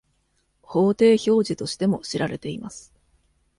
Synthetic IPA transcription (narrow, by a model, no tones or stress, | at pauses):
ho̞ːt̪e̞ːço̞ːʑit̪o̞ɕi̥t̪e̞mo̞ɕiɾaɾe̞t̪e̞imasɨ̥